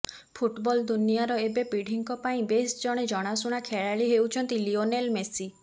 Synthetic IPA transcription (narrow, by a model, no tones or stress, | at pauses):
pʰuʈbɔld̪unijaɾɔebepiɽʱiŋkɔpaĩbesd͡ʒɔɽ̃ed͡ʒɔɽ̃asuɽ̃akʰeɭaɭiɦewt͡ʃʰɔnt̪ilionelmesi